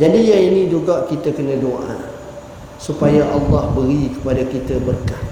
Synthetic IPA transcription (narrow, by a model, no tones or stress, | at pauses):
d͡ʒadijaŋinĩd͡ʒuɡaʔkit̪akənə̃doʔa̰ | supajaʔɑlːɑhbəɾikə̥padakit̪abərkah